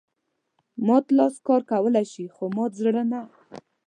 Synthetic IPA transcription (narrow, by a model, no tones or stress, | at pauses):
mɑt̪lɑskɑɾkawəlajʃixomɑzɽəna